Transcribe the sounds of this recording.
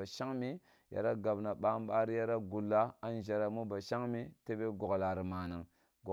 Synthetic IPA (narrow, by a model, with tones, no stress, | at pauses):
a˨ʃa˦ŋmi˦ | ja̰˨ɾa˦ɡa˨bna˨ɓa˦m˦ba˦ɾi˦ja˦ɾa˦ɡu˨lːa˦a˦n˦ʒa˨ɾa˨mu˦ba˨ʃa˦ŋmi˦te˦be˦ɡo˨ɡla˨ɾi˨ma˨ni˨ŋ | ɡo˨